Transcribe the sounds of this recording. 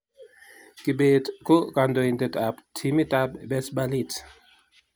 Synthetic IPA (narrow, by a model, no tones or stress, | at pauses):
kibetkɔkandoindetaptʰimitabbɛsbalit